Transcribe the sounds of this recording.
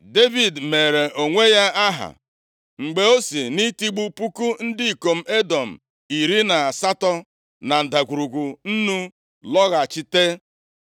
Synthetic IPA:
de˦vi˨dme˨ɾe˨ʔo˨ŋʷe˦ja˦a˦ɦa̰˨ | ŋ͡m̩˨ɡ͡be˨o˦si˨ni˦ti˦ɡ͡bu˦pu˦ku˦n̩˦dɪ˦i˨ko˨m̩˦e˦dɔ˨m̩˨ | i˨ɾi˦na˨a˨sa˦tɔ˦ | na˨n̩˨da˨ɡʷu˨ɾu˨ɡu˨n̩˦nu˦ | lɔ˦ɣa˨t͡ʃɪ˦te˦

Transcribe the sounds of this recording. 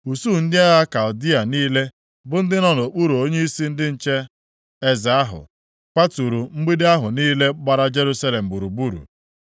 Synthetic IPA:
u˨su˦˨n̩˦dɪ˦a˦ɣa˦ka˨ldi˦a˨niː˦le˦ | bʊ˦n̩˦dɪ˦nɔ˦n˨o˨k͡pu˦ɾu˨o˦ɲe˦i˦si˦n̩˦dɪ˦n̩˦t͡ʃe˦ | e˦za˨a˦ɦʊ̰˨ | k͡pa˦tu˨ɾu˨ŋ͡m̩˦ɡ͡bi˦dɪ˦a˦ɦʊ˨niː˦le˦ɡ͡ba˦ɾa˦d͡ʒe˦ɾu˦sa˦le˨m̩˨bu˨ɾu˨bu˦ɾṵ˨

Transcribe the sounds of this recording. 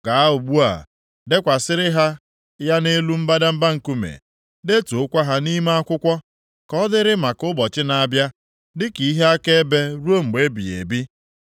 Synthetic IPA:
ɡa˨a˦ʊ˨ɡ͡bu˦a̰˨ | de˦kʷa˨sɪ˦ɾɪ˦ɦa˦ | ja˦ne˦lu˦m̩˦ba˦da˦m̩˦ba˦ŋ̩˨ku˦mḛ˨ | de˦tu˨ʊ˦kʷa˦ɦa˦ni˦ma˦a˦kʷʊ˦kʷɔ˦ | kɔ˦dɪ˦ɾɪ˦ma˨kʊ˦bɔ˨t͡ʃɪ˦na˨bja˦ | dɪ˦ki˨˦ɦe˦a˦ke˦e˦be˦ɾu˦o˦ŋ͡m̩˨ɡ͡be˦bi˨ḛ˨bi˦

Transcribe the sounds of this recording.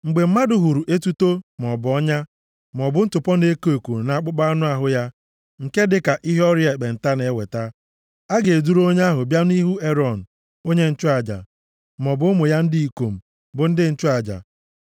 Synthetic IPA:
ŋ͡m̩˨ɡ͡be˨m̩˦ma˦dʊ˨ɦu˨ɾu˨ʔe˦tu˦to˦m˨ɔ˨bʊ˨ɔ˦ɲa˦ | m˨ɔ˨bʊ˦n̩˦tʊ˨pɔ˦ne˦ko˨ku˨na˨a˦˨k͡pʊ˦k͡pa˦nʊ˦a˨ɦʊ˨ja˦ | ŋ̩˨ke˦dɪ˦ka˨ʔi˦ɦɔ˦ɾje˨k͡pe˨n̩˨ta˦ne˨˦wḛ˨ta˦ | a˦ɡe˨e˨du˦ɾo˦ɲ˦a˦ɦʊ˨bja˦n˦i˦ɦu˦e˦ɾɔ˨n̩˨ | o˦ɲe˦n̩˦t͡ʃʊ˦a˨d͡ʒa̰˨ | m˨ɔ˨bʊ˦mʊ˨ja˦n̩˦dɪ˦i˨ko˨m̩˨ | bʊ˨n̩˦dɪ˦n̩˦t͡ʃʊ˦a˨d͡ʒa̰˨

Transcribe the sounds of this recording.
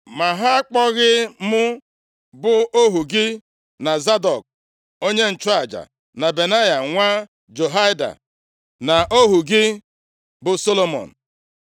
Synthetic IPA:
ma˨ɦa˦a˦k͡pɔ˦ɣɪ˦mʊ˦ | bʊ˦o˦ɦu˨ɡɪ˦ | na˨za˦dɔ˨k̚ | o˦ɲe˦n̩˨t͡ʃa˨d͡ʒa̰˨ | na˨be˨na˦ja˨ŋʷa˦ | d͡ʒo˨ɦa˦jda̰˨ | na˨ʔo˦ɦu˨ɡɪ˦ | bʊ˨so˦lo˦mɔ̰˨n̩˨

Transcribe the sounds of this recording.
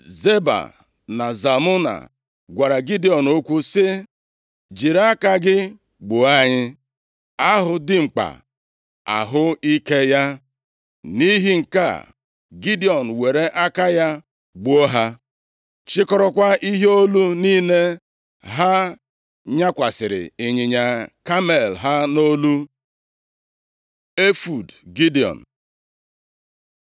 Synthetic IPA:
ze˦ba̰˨ | na˨za˨mʊ˦na̰˨ | ɡʷa˨ɾa˨ɡi˦di˨ɔ˨no˦kʷu˦sɪ˦ | d͡ʒi˨ɾa˦ka˦ɡɪ˦ | ɡ͡bo˨a˦ɲɪ˦ | a˦ɦʊ˨dɪ˦ŋ͡m̩˨k͡pa̰˨ | a̰˨ɦʊ˦i˦ke˦ja˦ | ni˦ɦi˦ŋ̩˨ka̰˦˨ | ɡi˦di˨ɔ˨n̩˨we˨ɾe˦ʔa˦ka˦ja˦ | ɡ͡bo˦ɦa˦ | t͡ʃɪ˦kɔ˦ɾɔ˦kʷa˦i˦ɦe˦o˦lu˦niː˦ne˦ | ɦa˦ | ɲa˦kʷa˨sɪ˨ɾɪ̰˨e˨ɲi˨ɲa˨ka˦me˨lɦa˦no˦lu˦ | e˦fu˨dɡi˦di˨ɔ̰˨n̩˨

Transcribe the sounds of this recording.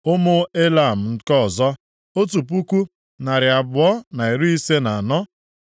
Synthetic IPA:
ʊ˦mʊ˦e˦la˨m̩˨n̩˦kɔ˦˨zɔ˦ | o˦tu˨p̬u˦kʷu˦ | na˨ɾɪ˨a˨bʊ˨ɔ˦na˨i˨ɾu˦i˦se˦na˨a˨nɔ˦

